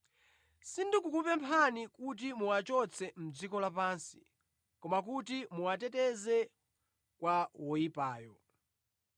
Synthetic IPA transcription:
sindikukupɛmpʰanikut̬imuwat͡ʃɔt͡sʰɛm̩d͡zikɔlapaːnsi̥ | kɔmakutimuwatɛtɛzɛ | kwawɔjipaːjɔ

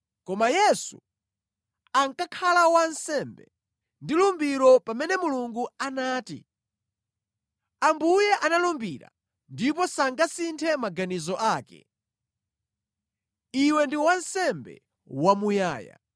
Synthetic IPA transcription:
kɔmajɛsu | aŋkakʰalawansɛmbɛ̰ | ndilumbiɾɔpamɛnɛmuluŋɡuanaːtḭ | ambujɛʔanalumbiɾa̰ | ndipɔsaŋɡasintʰɛmaɡanizɔʔaːkɛ̰ | iwɛndiwansɛmbɛ̰ | wamuja̰ːja̰

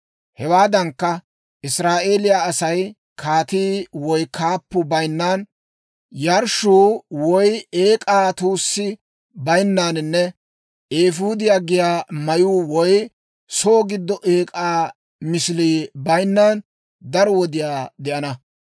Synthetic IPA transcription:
hɛwaːd̪ɐŋkːɐ | ʔɪsɾaːʔe̞ːlɪjaːsɐj | kʰaːt̪iːwɔjkʰaːpːʊbɐjnːaːn | jɐɾʃuːwɔjeːkʼaːt̪uːsːɪ | bɐjnːaːnɪnːɛ | ʔeːfuːd̪ɪjaːɡɪjaːmɐjuːwɔj | soːɡɪd̪ːɔʔeːkʼaː | mɪsɪliːbɐjnːaːn | d̪ɐɾɔwɔd̪ɪjaːd̪ɛʔɐnɐ

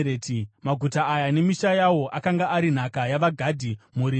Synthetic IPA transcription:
eːtimaɡʱutaːjane̞miʃajawo̞ʔakaŋɡaaɾin̤akajaʋaɡʱadʱimuɾi

